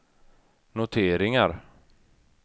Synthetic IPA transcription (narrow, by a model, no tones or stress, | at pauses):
nʊt̪ʰeːɾɪŋaɾ